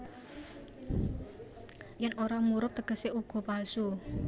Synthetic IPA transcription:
jɛnoɾamuɾʊp̚t̪əɡ̥ə̤seʔuɡ̥ɔ̤palsu

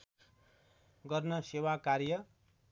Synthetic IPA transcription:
ɡʌrnʌsewakarjʌ

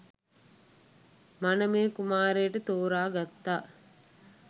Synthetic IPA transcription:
manəmeːkumaːɾeːʈət̪oːɾaːɡat̪ːaː

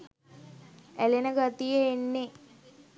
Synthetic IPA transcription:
ælenəɡat̪ijəːnːe

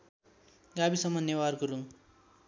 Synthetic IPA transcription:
ɡabisʌmːʌnewarkuɾuŋ

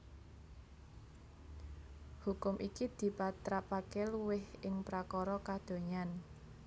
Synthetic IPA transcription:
hukʊmʔikid̪̥i̤pat̪ɾapakɛluwɪhɪŋpɾakɔɾɔkad̪̥o̤ɲan

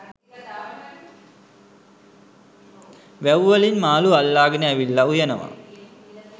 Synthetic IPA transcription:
ʋæwʋalinmaːlualːaːɡənəæʋilːaujənəʋa̰

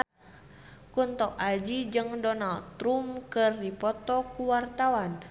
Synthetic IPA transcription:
kunt̪ɔkad͡ʒid͡ʒɨŋdɔnalɾumkɨrdipɔt̪ɔkuwart̪awan

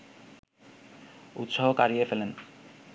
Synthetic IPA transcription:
ṵt̪ʃoɦokaɾiefelen

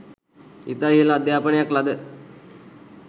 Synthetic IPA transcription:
it̪aɦilaːd̪jaːpəɳjaklad̪ə

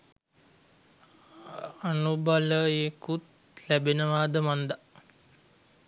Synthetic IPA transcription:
anubaləeːkut̪ | læbenəʋaːd̪əmand̪a

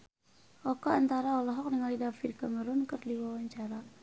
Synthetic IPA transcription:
ʔɔkaant̪aɾaɔlɔɦɔk̚nəŋalidafirkaməɾʊnkərdiwawaɲt͡ʃaɾa

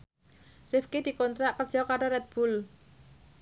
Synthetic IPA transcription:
rɪfked̪̥i̤kɔnt̪ɾaʔkərd̥d͡ʒʒ̥ɔkaɾoɾɛt̪̚b̥ul

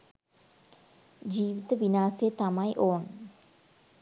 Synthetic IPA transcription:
d͡ʒiːʋit̪əʋinaːset̪amaiʔoːn

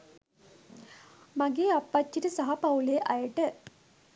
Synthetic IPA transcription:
mɐɡeːɐpːɐtːiɾisɐɦɐpɐwleːʔɐjʈə

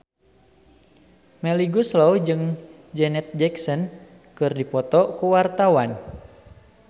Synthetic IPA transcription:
mɛliɡuslɔwd͡ʒɨŋ | d͡ʒɛnɛt̪̚d͡ʒɛksɔn | kɨrdipɔt̪ɔkuwart̪awan

